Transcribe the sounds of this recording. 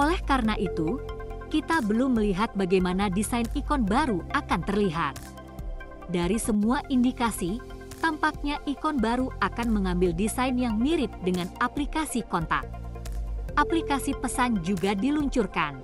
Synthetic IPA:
ʔolɛhkaɾənaʔit̪ukit̪abəlʊmːəliɦat̪̚baɡajmanadisajnikɔnbaɾuakant̪ərliɦat̪̚ | daɾisəmuaʔindikasi | t̪ampak̚ɲaʔikɔnbaɾuʔakanməŋambɪldisajnjaŋmiɾɪp̪̚dəŋanaplikasikɔnt̪a̰k̚ | ʔaplikasipəsand͡ʒuɡadiluɲt͡ʃurkan

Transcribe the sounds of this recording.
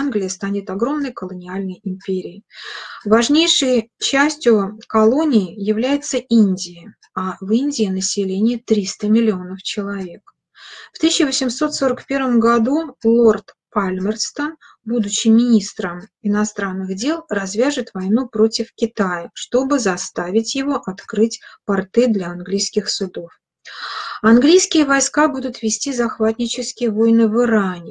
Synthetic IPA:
nɡlʲɪjəst̪anʲɪt̪ɐɡɾo̞mnəjkəlˠənʲɪalʲnəjɪmpʲeɾʲɪɪvɐʐnʲejʂɨjt͡ɕæsʲtʲjʊkɐlˠo̞nʲɪɪjɪvlʲæjɪt̪səinʲdʲɪɪ | avɨnʲdʲɪɪnəsʲɪlʲenʲɪɪt̪ɾʲist̪əmʲɪlʲɪo̞nəft͡ɕɪlˠɐvʲe̞k | ft̪ɨɕːɪvəsʲɪmso̞t̪so̞ɾəkpʲe̞rvəmɡɐd̪ulˠo̞rt̪palʲmʲərst̪ən | bud̪ʊɕːɪmʲɪnʲist̪ɾəmɪnɐst̪ɾanːɨɣdʲe̞lˠrɐzvʲaʐɨt̪vɐjnupɾo̞tʲɪfkʲɪt̪ajəʂt̪o̞bɨzɐst̪avʲɪtʲjɪvo̞ʔɐt̪kɾɨtʲpɐrt̪ɨd̪lʲɐɐnɡlʲijskʲɪxsʊd̪o̞f | ɐnɡlʲijskʲɪjəvɐjskabud̪ʊt̪vʲɪsʲtʲizɐxvat̪ʲnʲɪt͡ɕɪskʲɪjəvo̞jnɨvɨɾanʲɪ

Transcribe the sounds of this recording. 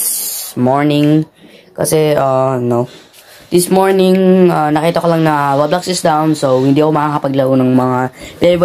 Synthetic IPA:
moɹnɪŋkɐ̰sɛano | d̪̥ɪsmoɹnɪŋʔanɐkiːt̪ɐkolɐŋnɐwɐblaksɪsd̪awnsowhɪnd̪iʔɐkomɐaːkɐpɐɡlɐʔonɐŋmɐŋap̪ɛɾb

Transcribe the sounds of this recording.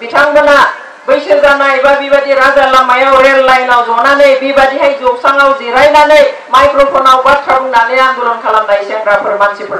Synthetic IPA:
bitʰaŋbana | bɯjsɯlzanaebabibadiɾazalamajawɾellajnawzɔnanɯjbibadiɦajzobsaŋawziɾajnanɯj | majkɾopʰɔnawɡat̚kʰabuŋnanɯjanzulɔŋkʰalamdaisɛŋɡɾapʰɯɾmansʰipʰɔ

